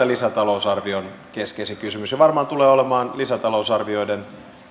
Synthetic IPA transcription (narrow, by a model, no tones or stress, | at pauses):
ælisæt̪ɑlousɑrʋionkeskesikysymysjɑʋɑrmɑːnt̪uleːolemɑːnlisæt̪ɑlousɑrʋio̞iden